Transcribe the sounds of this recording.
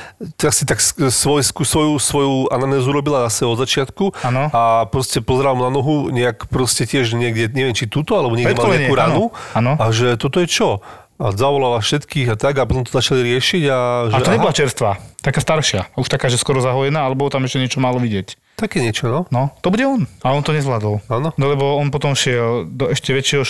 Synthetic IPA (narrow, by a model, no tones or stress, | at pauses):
t̪asit̪akssʋɔjskusʋɔjusʋɔjuananɛːzuɾɔbilanasɛbɔd̪zat͡ʃɪat̪kuanɔapɾɔscɛpɔzɛɾalmnanɔɦuɲɛakpɾɔscɛcɪɛʒɲɪɛɡdɛɲɛʋjɛnt͡ʃit̪uːt̪ɔalɛbɔɲɛɡɾɛmalɔɲɛaakuːɾanuanɔaʒɛt̪ɔt̪ɔjɛt͡ʃɔ | azaʋɔlaːlafʃɛt̪kiːɣat̪aɡapɔt̪ɔmt̪ɔzat͡ʃaliɾɪɛʃiɟaʒaɛt̪ɔɲɛbɔlat͡ʃɛɾst̪ʋat̪akaːst̪aɾʃɪauʃt̪akaːʒɛskɔɾɔzaɦɔjɛnaːalɛbɔɔt̪amɛʃcɛɲɪɛt͡ʃɔmalɔʋiɟɪɛc | t̪akɛːɲɪɛt͡ʃɔnɔnɔt̪ɔbuɟɛɔnaɔnt̪ɔɲɛzʋlad̪ɔlanɔnɔlɛbɔɔnpɔt̪ɔmʃɪɛld̪ɔɛʃcɛʋɛt͡ʃɛɦɔ